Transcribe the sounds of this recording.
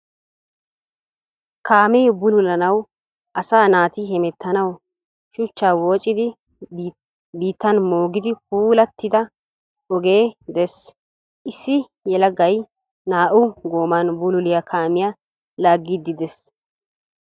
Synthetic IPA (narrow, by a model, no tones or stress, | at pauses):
kaːmɛjbʊlʊlɐnɐw | ʔɐsaːnaːt̪ɪɦɛmɛt̪ʰːɐnɐw | ʃʊt͡ʃːaːwoːt͡ʃʼːɪd̪ɪ | biːt̪ːɐnmo̞ːɡɪd̪ɪpuːlɐt̪ːɪd̪ɐ | ɔɡe̞ːd̪ɛs | ʔɪsːɪ | jɛlɐɡɐj | naːʔʊɡoːmanbʊlʊlɪjɐkʰaːmɪja | laːɡːɪd̪ːɪd̪ɛs